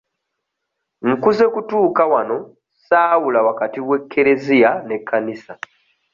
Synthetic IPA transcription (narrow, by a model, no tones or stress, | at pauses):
ŋ̩kuze̞kutuːkawano̞ | saːwulawakatiwe̞kʰːe̞ɾe̞zijane̞kʰːanisa